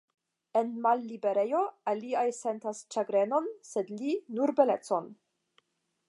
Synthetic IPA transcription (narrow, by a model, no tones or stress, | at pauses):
e̞nmalːibe̞ɾe̞jo̞aliajse̞ntast͡ʃaɡɾe̞no̞nse̞dlinuɾbe̞let͡so̞n